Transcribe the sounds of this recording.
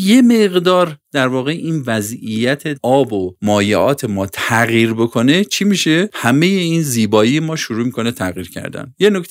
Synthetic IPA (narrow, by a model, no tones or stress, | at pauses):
je̞me̞ɣd̪ɒːɾd̪̥æɾvɒːɣe̞ʔiːnvæzijæt̪ʰeɒːbomɒːjeʔɒːt̪ʰe̞mɒːt̪ʰæɣjiːɾbo̞kʰo̞ne̞t͡ʃʰimiʃe̞hæme̞jeiːnziːbɒːijemɒːʃoɾuːmikʰo̞net̪ʰæɣiːɾcʰæ̰ɾd̪æ̰njenok̪